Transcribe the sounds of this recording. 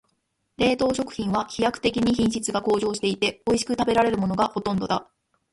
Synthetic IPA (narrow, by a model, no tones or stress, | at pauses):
ɾe̞ːt̪o̞ːɕo̞kɯ̟̥çʲĩɰ̃βaçijakɯ̥t̪e̞kʲiɲ̟içĩɰ̃ɕit͡sɨɡako̞ːʑo̞ːɕi̥t̪e̞it̪e̞o̞iɕi̥kɯ̟t̪abe̞ɾaɾe̞ɾɯ̟mo̞no̞ɡaho̞t̪õ̞nd̪od̪a